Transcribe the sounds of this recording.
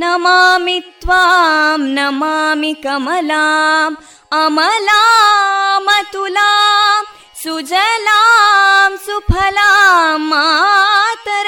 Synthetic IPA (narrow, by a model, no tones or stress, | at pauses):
nɐmamit̪ʋamnɐmamikɐmɐlam | ɐmɐla | mɐt̪ula | sud͡ʒɐlaːmsupʰɐlamːa | t̪ɐɾ